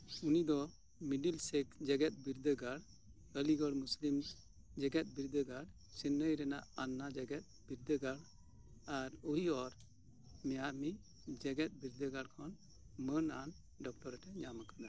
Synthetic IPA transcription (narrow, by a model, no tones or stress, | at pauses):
unid̪ɔ | miɖilsɛkd͡ʒɛɡɛt̪̚ˀbiɾd̪əɡaɽ | əliɡɔɽmuslim | d͡ʒɛɡɛt̪̚biɾd̪əɡaɽ | sinːəjɾɛnaʔanːad͡ʒɛɡɛt̪̚biɾd̪əɡaɽ | aɾoɦiɔɾ | mɛjaʔmi | d͡ʒɛɡɛt̪̚biɾd̪əɡaɽkʰɔn | mənan | ɖɔk̚ʈɔɾɛʈɛɲamakad̪a